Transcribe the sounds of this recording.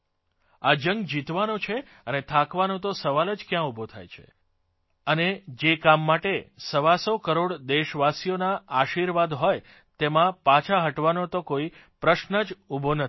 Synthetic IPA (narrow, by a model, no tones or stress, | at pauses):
ad͡ʒəŋɡd͡ʒit̪ʋanot͡ʃʰe | ənet̪ʰakʋanot̪osəʋaləd͡ʒkjãubʱot̪ʰa̰jt͡ʃʰe̥̰ | əned͡ʒekamːaʈesəʋasokəɾoɽd̪eʃʋasijonaːʃiɾʋad̪ɦɔj | t̪emãpat͡ʃʰaɦəʈʋanot̪okoi | pɾəʃnəd͡ʒubʱonət̪ʰ